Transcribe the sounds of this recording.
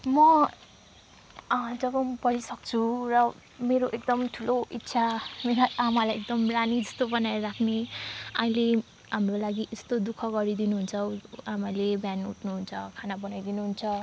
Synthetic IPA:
mʌ | d͡zʌbʌbʌɾisʌk̚t͡sʰurʌ | meɾoʔek̚d̪ʌmʈʰuloit̪ːsʰameɾaamalajek̚d̪ʌmlanid͡zʌst̪obʌnaɾɾakʰneaĩle | ɦamrolaɡiʔest̪od̪ukʰʌɡʌɾid̪inuɦunt͡sʰʌwamalebjanuʈnuɦunt͡sʰʌkʰanabʌnajd̪inuɦunt͡sʰʌ

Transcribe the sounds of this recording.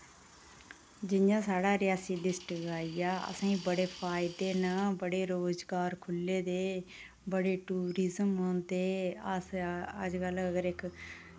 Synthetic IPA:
d͡ʒɪjãːsaːɽaːɾɪjaːsiːlɪsʈɡaːijaːə̰sãːĩːbəɽeːpʰaːɪd̪eːnəbəɽeːɾoːzɡaːɾkʰʊlːeːd̪eː | bəɽeːʈuːɾɪzəmɦoːnd̪eːəsəd͡ʒkələɡəɾɪk

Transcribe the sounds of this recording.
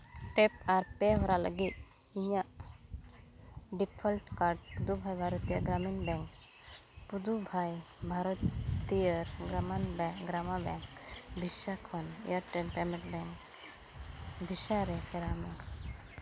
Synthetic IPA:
ʈɛpaɾpɛɦɔɾalə̰ɡit̪̚ | iɲaʔ | ɖipʰəlʈkaɾɖ̚pud̪ubʱajbʱaɾɔt̪ijəɾɡɾaminbɛŋk | pud̪ubʱajbʱaɾɔt̪ijəɾɡɾamanbɛɡɾamabɛŋkbʱisakʰɔnḭjəɾʈənpɛmɛ̃ʈ̚bɛŋk | bʱisaɾɛkɛɾamak

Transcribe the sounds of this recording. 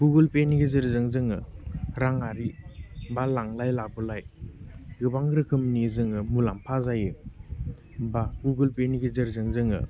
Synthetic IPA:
ɡ̥uɡɯlpeniɡezɯɾzɯŋzɯŋɯɾaŋaɾibalaŋlajlabɯlaj | ɡɯbaŋɾɯkʰɯmnizɯŋɯmulampʰazajɯ | baɡuɡɯlpeniɡizɯɾzɯŋzɯŋɯ̰

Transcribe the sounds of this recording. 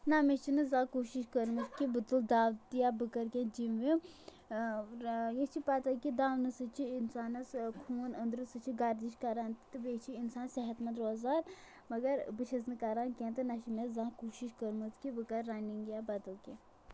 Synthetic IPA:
namet͡ʃʰinɨzãːkoːʃiʃkəɾmɐskibɨt̪ɨld̪aːʋt̪jabɨkɐɾkẽd͡ʒimʋi | jet͡ʃʰipat̪ɐlkid̪aːʋnɐsɨt͡ʃʰiinsaːnɐskʰuːnənd̪ɾɨsɨt͡ʃʰiɡɐɾd̪iʃkɐɾaːnt̪t̪ɨʋet͡ʃʰiinsaːnsɛɦɐt̪mɐ̃nd̪ɾoːzaːd̪ | mɐɡɐɾbɨt͡ʃʰɐznɨkɐɾaːnkʲẽːnt̪ɨnɐʃimezãːkuːʃiʃkəɾmɨzkibɨkɐɾːaniŋɡjaːbɐd̪ɐlkʲẽ

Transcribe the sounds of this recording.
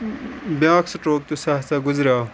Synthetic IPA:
bjãːksɐʈoːk̚t̪usaɦt͡saɡʊzɾʲaː

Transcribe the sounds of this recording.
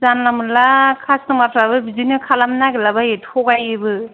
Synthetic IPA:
zanlamɯnlakʰasnɯmatɾabɯbizinɯkʰalamnaɡelabajethʰɔɡajebɯ

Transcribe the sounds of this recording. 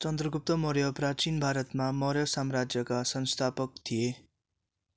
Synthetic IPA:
t͡sʌnd̪rʌɡup̚t̪ʌmʌɾjʌprat͡sinbʱaɾʌt̪mamʌɾjʌsamrad͡zjʌkasʌnst̪ʰapʌk̚t̪ʰije

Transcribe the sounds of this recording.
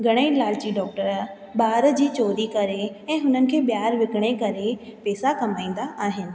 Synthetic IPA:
ɡʱɐɽ̃eilaːlt͡ɕiɖɔːk̚ʈəɾ | baːɾd͡ʑiːt͡ɕoːɾikɐɾeɛ̃ːɦʊnənɪ̆kʰeːbɪjaːɾʋɪkɽ̃ekɐɾepɛːsakɐmaːĩːn̆d̪aaːɦɪnɪ̆

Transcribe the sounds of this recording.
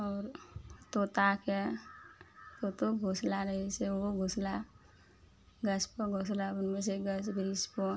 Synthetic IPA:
ɔːɾt̪oːt̪ake | t̪ot̪oɡʱoslaɾəɦeseoɡʱosla | ɡəspoɡʱoslaʊnmeseɡəsbʱɾispo

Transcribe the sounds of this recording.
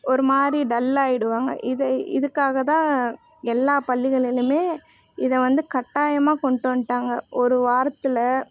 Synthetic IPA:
ɔɾɯmaːdɾiɖɐlːaːjɪɽɯʋaːŋɡɐ̰ʔɪðɐɪ̰ðɯkːaːɣɐt̪ãː | ɛlːaːpɐɭːɪɣɐɭɪlɯmeː | ɪðɐʋɐnd̪ɯkɐʈːaːjɐmaːkɔɳʈoːnʈːaːŋɡɐʔɔɾɯʋaːɾɐt̪ːɯlɐ

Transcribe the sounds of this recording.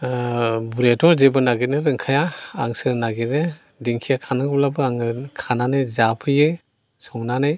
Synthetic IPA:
buɾetʰɔɾzebɯnaɡineɾɯŋkʰajaːŋsɯɾnaɡetne | diŋkʰijakʰanaɡɔp̚labɯaŋɯkʰananɯjzapʰɯjɯ | sɔŋnanɯj

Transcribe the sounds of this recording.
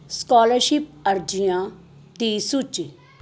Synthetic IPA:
skɔːləɾʃip̚ɐɾd͡ʒijã | t̪iːsut͡ʃ

